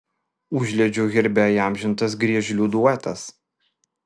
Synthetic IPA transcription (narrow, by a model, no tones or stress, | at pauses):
ʊʒʲlʲɛd͡ʒʲʊɣʲɪɾʲbʲɛiɑˑmʲʒʲɪnt̪ɐs̬ɡɾʲiɛʒʲlʲuːd̪uɔt̪ɐs